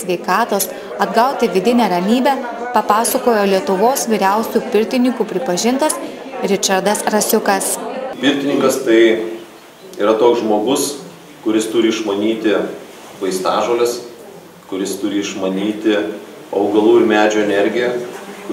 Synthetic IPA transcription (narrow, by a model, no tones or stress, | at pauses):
sʲʋʲɛɪkɑːt̪oːs | ɐd̪ɡɐʊt̪ʲɪʋʲɪd̪ʲɪnʲɛɾɐnʲiːbʲɛːpɐpɑːsɐkoːjoːlʲiɛt̪ʊʋoːsʋʲiːɾʲæʊsʲuːpʲɪɾʲt̪ʲɪnʲɪŋkuːpʲɾʲɪpɐʒʲɪnt̪ɐs | ɾʲɪt͡ʃɐɾd̪ɐsɾɐsʲʊkɐspʲɪɾʲt̪ʲɪnʲɪŋkɐst̪ɐɪ | iːɾɐt̪oːksʒmoːɡʊs | kʊɾʲɪst̪ʊɾʲɪɪʃmɐnʲiːt̪ʲɪ | ʋɐɪst̪ɑːʒoːlʲɛs | kʊɾʲɪst̪ʊɾʲɪɪʃmɐnʲiːt̪ʲɪ | ɐʊɡɐlˠuːɪɾmʲæːd͡ʒʲoːɛnʲɛɾʲɡʲɪjɛk